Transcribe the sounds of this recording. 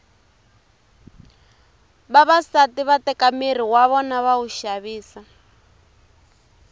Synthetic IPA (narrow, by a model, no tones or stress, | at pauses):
βaβasatiβatɛkamir̤iwaβɔnaβauʃaβiːsa